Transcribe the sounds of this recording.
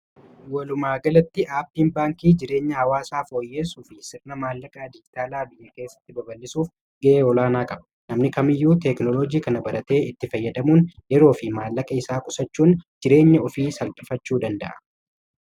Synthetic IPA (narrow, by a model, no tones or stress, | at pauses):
wɐlʊmaːɡɐlɐt̪ːɪʔaːpːiːnbaːŋkiːd͡ʒɪɾe̞ːɲːɐhɐwaːsaːfo̞ːjːe̞ːsʊfɪsɪrnɐmaːlːɐkʼaːd̪ɪd͡ʒɪt̪aːlaːbɪjːɐke̞ːsːɐ̥t̪ːɪbɐbɐlːɪsuːf | ɡɐʔeːɔlaːnaːkʼɐbɐnɐmnɪkɐmɪjːuːt̪ɛknɔlod͡ʒiːkɐnɐbɐɾɐt̪e̞ːɪt̪ːɪfɐjːɐd̪ɐmuːnjɛɾo̞ːfɪmaːlːɐkʼɐɪsaːkʼʊsɐt͡ʃːuːnd͡ʒɪɾe̞ːɲːɐɔfiːsɐlkʼɪfɐt͡ʃːuːd̪ɐnd̪ɐ̰ʔɐ̥